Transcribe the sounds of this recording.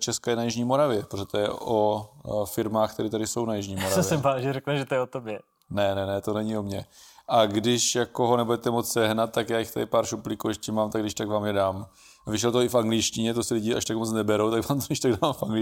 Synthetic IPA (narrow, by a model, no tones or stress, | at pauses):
t͡ʃɛskajɛnajɪʒɲiːmo̞ɾavjɛpɾoʒɛt̪ojɛ̰ʔofɪɾmaːxkt̪ɛɾiːt̪adɪso̞wnajɪʒɲiːmoɾavɛsjɛɛmvaːʒɛɾɛknɛʒɛt̪ojɛot̪objɛ | nɛnɛnɛt̪o̞nɛɲɪomɲɛʔaɡdɪʃjakoɦonɛbudɛt̪ɛmot͡ssɛɦnat̪̚t̪ːakjaːjɪxt̪adɪpaːɾʃuplɪkujɛʃcɛmaːmt̪aɡdɪʃt̪aɡvaːmjɛdaːm | vɪʃ̬ɛlt̪ooɪfaŋɡlɪʃcɪɲɛt̪osɪlɪɟɪa̰ʃt̪akmot͡snɛbɛɾowt̪aɡvaːmt̪oɪʃt̪aɡdaamfʔaŋɡlɪ